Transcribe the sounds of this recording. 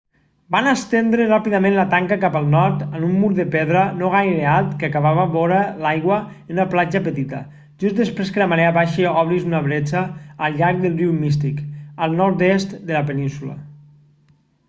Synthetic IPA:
banəst̪end̪ɾərapiðəmẽnlət̪aŋkakapəlˠnɔɾt̪ənumːuɾðəpeðɾənoɣ̞ajɾealˠt̪kəakaβaβəβɔɾəlajɣwəənunəplad͡ʒəpət̪it̪ə̰ | ʒ̥ust̪d̪əspɾeskələmaɾeaβaʃəɔβɾizunaβɾet͡ʃaːlˠʎaɾk̚d̪əlˠriwmist̪ikəlˠnɔɾt̪est̪d̪əlapənĩnsulə̰

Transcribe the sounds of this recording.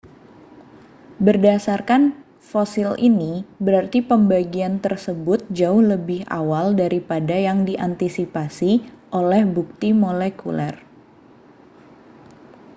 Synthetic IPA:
bərdasarkan | fosɪlḭnibəɾart̪ipəmbaɡiant̪ərsəbʊt̪̚d͡ʒaʊhləbɪha̰waldaɾipadajaŋdiʔant̪isipasiʔolɛhbuk̚t̪imolɛkulɛr

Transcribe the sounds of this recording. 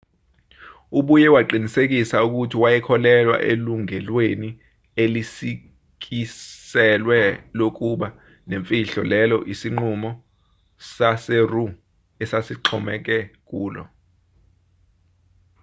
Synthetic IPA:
uɓujɛwaǃinisek̬isauk̬utʰiwajɛkʰɔlɛlwa̰ʔḛluŋɛlweni | elisi | k̬isɛlwɛlok̬uɓa | neɱfʼiɬɔ̰lɛlɔʔisiŋ͡ǃumɔ | saseru | ɛsasiǃʰɔmɛk̬ɛk̬ʼuːlɔ̰

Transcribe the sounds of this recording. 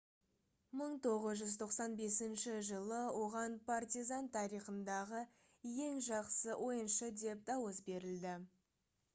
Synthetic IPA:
məɴt̪ʰo̞ʁəzʒʏzt̪ʰo̞qsɑnbe̞sɪnʃɪʒəlˠəwo̞ʁɑnpʰart̪izɑnt̪ʰɑɾiχənd̪ɑʁə | je̞ŋʒɑqsəwʔo̞jənʃəd̪e̞p̚d̪ɑwəs̬be̞ɾɪld̪ɪ

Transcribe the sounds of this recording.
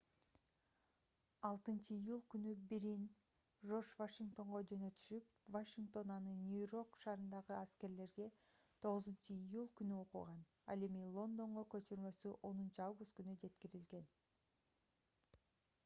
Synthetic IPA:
ɑlˠt̪ɯnt͡ʃɯijulˠkynybiɾin | ʒo̞ʃvaʃiŋk̚t̪o̞ɴʁod͡ʒø̞nø̞t̪y̥ʃyp̚vaʃiŋkt̪o̞nɑnɯnʲujɾo̞kʃɑːɾɯnd̪ɑʁɯæske̞ɾle̞ɾɡe̞t̪ʰo̞ʁɯzunt͡ʃɯijulˠkynyo̞qṵʁɑn | ɑ̰le̞milˠo̞nd̪o̞ɴʁokø̞t͡ʃyɾmø̞syʔo̞nunt͡ʃuɑvɡʊst̪kynyd͡ʒe̞t̪kiɾilɡe̞n

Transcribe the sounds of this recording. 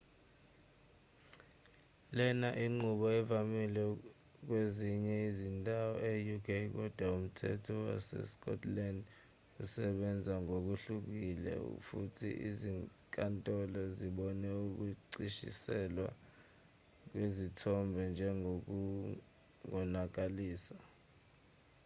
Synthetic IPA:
lɛnaʔiŋ͡ǃuɓɔɛvamilɛ | k̬weziɲɛizintʼawɔejukʰejk̬ɔd̥ʱwaum̩tʰɛ̰tʰɔwa̰sɛ̰skʼɔ̰tʰland | usɛɓɛnd͡zʱaŋok̬uɬuk̬ilɛ̰ṵfutʰḭʔḭziŋkʼantʼɔlɔziɓɔnɛuk̬uǀiʃḭsɛlwa | k̬wezitʰɔmbʱɛnd͡ʒʱɛŋok̬ | ŋɔnak̬aliːsa

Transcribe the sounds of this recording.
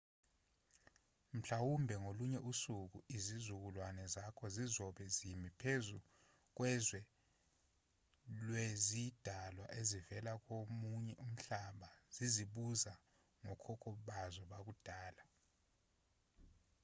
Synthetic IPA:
m̩ɬawumbʱɛŋoluɲɛʔusuk̬uizizuk̬ulwanɛzakʰɔzizɔɓɛzimipʰezu | k̬wɛzwɛ | lwezid̥ʱalwaʔezivɛlak̬ʼomuɲɛʔum̩ɬaɓaz̥iziɓuza | ŋɔkʰɔkʰɔɓazɔɓak̬ud̥ʱaːla

